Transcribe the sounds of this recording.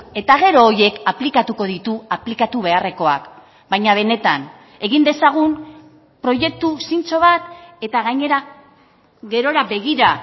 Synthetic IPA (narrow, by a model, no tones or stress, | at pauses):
e̞t̪aɣe̞ɾo̞ːje̞kaplikat̪uko̞ð̞it̪uaplikat̪uβ̞e̞are̞ko̞a̰k | bajɲaβ̞e̞ne̞t̪an | e̞ɣind̪e̞saɣ̞um | pɾo̞je̞k̚t̪usint͡so̞β̞at̪e̞t̪aɣaɲe̞ɾa | ɣe̞ɾo̞ɾabe̞ɣiɾa